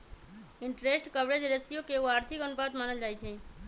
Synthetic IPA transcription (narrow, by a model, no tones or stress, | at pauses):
ɪɳʈɾesʈkəʋɾed͡ʒɾesijokeuaɾt̪ʰikənupad̪maːnəld͡ʒajt̪ʰɛ